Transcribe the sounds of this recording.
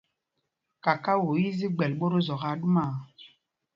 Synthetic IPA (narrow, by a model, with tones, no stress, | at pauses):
ka˨ka˦wo˨ji˦zi˦ɡ͡bɛ˨lɓo˦ɾo˦zɔ˨ɣa˨˦ɗu˦ma˦˨